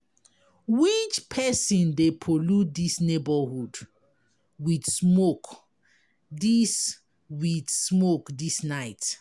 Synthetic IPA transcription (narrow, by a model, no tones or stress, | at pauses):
wit͡ʃpʰɛsĩndepʰolut̚disnebəhud | widsmok | dis | widsmokdisnaɪt